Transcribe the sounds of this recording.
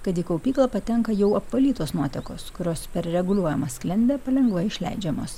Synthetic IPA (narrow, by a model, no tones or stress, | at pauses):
kɐt̪iːkɐʊpʲiːklˠɐːpɐt̪ʲɛŋkɐjɛʊɐpʋɐlʲiːt̪oːsnuɔt̪ʲɛko̰ːskʊɾʲoːspʲɛɾɾʲɛɡʊlʲuɔjɛmɐsklʲɪnʲb̪ʲeːpɐlʲɛŋɡʋɐɪʃʲlʲɛ̰ɪd͡ʒʲɛmo̰ːs